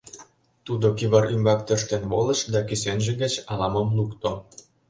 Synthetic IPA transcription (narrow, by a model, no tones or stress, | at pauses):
t̪ud̪okiβɑɾymbɑk̚t̪øʃt̪enβolə̆ʃd̪ɑkysenʒĕɣĕt͡ɕɑlɑməmlukt̪o